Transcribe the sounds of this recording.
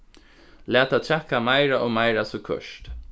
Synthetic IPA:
læːt̪at̪ʰɹɛhkːamajɾaʔɔmajɾasɔkʰœ̰ʃt̪

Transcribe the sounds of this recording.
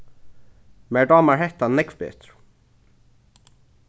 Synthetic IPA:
mɛdɑːmaɹhɛht̪anɛkvbɛ̰ːt̪ɾʊ̥

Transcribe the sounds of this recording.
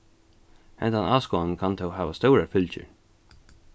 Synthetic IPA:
ɛ̰nt̪anaːskoannkʰant̪ʰɛwɦæːvast̪ɔʊɾafʏlt͡ʃə̰ɹ

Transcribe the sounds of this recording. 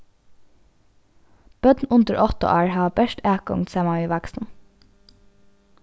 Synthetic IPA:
b̥œd̪n̩ʊnd̪əɾʔɔt̪ə̰ʔæːɹhɑːbæʃtæːkʊ̰ŋt̪sɛːmɑʋiːʋæksn̩

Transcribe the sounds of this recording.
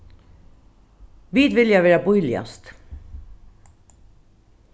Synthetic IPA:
ʋiːd̪ʋɪljaʋeːɹabujlɪa̰st̪

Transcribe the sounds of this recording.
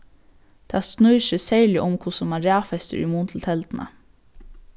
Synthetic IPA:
d̪̥æːsnœʏʃɛsæːɭɪʔʊmkʰʊsɔmæːɾæːfɛst̪ə̰ɾʉ̰muːnt̪ʰl̩t̪ʰɛld̪n̩ʔə̰

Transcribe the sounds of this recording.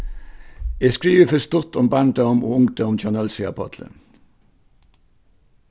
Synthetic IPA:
eːskɹiːʋəfœst̪ʊt̪ʰɔmbæɳd̪əʊmo̰ːʊŋt̪əʊmt͡ʃʰɑnɛlsɪɑ̰pʰɑ̰t̪ʰlə̰

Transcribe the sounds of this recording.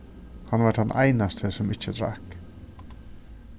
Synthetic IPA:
hɑnʋɑʈd̪ɑɛnʔæ̰ɪnɑst̪ʰəsɔmɪt͡ʃːəd̪ɾɑ̰k

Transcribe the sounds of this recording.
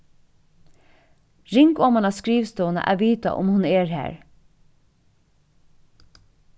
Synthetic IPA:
ɹɪŋkɔːmɑnɑskɹiːʋst̪ɔːnə̰ʔæ̰ʋiːt̪a̰ʔʊ̰mhʊnɛːɹhæ̰ːɹ

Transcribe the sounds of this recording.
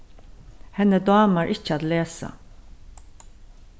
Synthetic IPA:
hɛnəd̪ɑːmaɾʔɪt͡ʃːad̪leːsa̰

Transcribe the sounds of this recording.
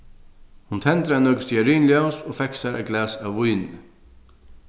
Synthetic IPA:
hʊnt̪ʰɛnt̪ɾanœkʏ̥st̪jaɾiːnljawnsɔfɛksaɾʔa̰ɡlæːsawvujnɪ

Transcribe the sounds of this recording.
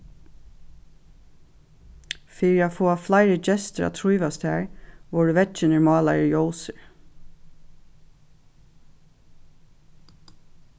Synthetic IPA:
fiːɹjɑfoːɑflæɪɹəd͡ʒɛst̪əɾɑ̰ːt̪ʰɹuːʋɑst̪ʰæ̰ːɹʋɔːɖʉːʋɛt͡ʃənəɹmɑːlɑɹəjoʊsəɹ

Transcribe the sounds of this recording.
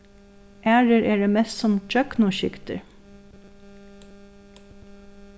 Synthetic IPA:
ʔæːɹəɹeːɹeːmɛssɔmd͡ʒœknʊʃʏkt̪ə̰ɹ

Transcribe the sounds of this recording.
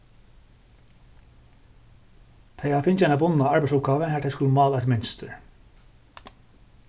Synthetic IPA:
t̪ʰɛjafɪnt͡ʃaɪnabʊnaaɹbæɪsʊp̚ɡ̥aːʋəɦæːt̪ʰɛɪskuləmɑːlɛt̪mɪnst̪əɹ

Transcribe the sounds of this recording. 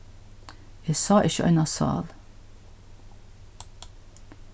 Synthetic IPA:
esɑːʔɪçəʔœ̰nɑsɑ̰ːl

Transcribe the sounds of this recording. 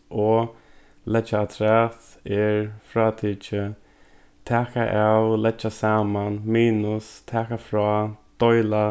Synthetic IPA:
ɔ | lɛt͡ʃat̪ʰɾɛːt̪ɛɹfɾaːt̪ʰɪt͡ʃə | t̪ʰaːkaʔawlɛt͡ʃasaːmanmiːnʊst̪ʰɛːkafɾaːd̪̥ɔjla

